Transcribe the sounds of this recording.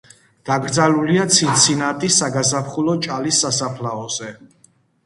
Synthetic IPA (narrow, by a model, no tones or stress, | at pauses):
d̪̥aɡɾd̪zaluliat̪sʰint̪sʰinat̪ʼisaɡazapχulɔt͡ʃʼalisːasapʰlaɔzɛ